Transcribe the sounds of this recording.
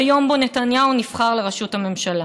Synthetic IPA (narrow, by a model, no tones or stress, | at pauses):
jo̞mbonetanjaunifχaʁleʁaʃuthame̞mʃala